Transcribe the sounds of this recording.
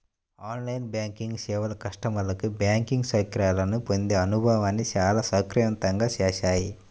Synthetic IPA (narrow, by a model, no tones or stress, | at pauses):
aːnlɐjnbjaːŋkiŋɡsɛːʋɐlɐkɐʂʈɐmɐlɐkibjaːŋkiŋɡsɐkɾaːlɐnupond̪eːɐnubʱaːʋaːnːit͡ʃaːlaːsɐkɾijɐnt̪ɐŋɡaːt͡ʃɛːʃaːji